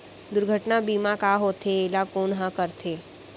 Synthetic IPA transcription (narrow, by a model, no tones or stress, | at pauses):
d̪ʊɾɡʱəʈnabiːmakaːɦoːt̪ʰeeːlakoːnɦãkəɾt̪ʰeː